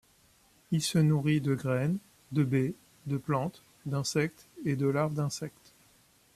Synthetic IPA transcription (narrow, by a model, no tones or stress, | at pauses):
ilsənuʁid̪əɡʁɛn | d̪əbe | d̪əplɑ̃t̪ | d̪ɛ̃sɛkt̪ed̪əlaʁbd̪ɛ̃sɛkt̪